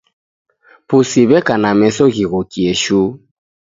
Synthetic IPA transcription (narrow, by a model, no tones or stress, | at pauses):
pusiβɛkanamɛsɔɣiɣɔkiɛʃu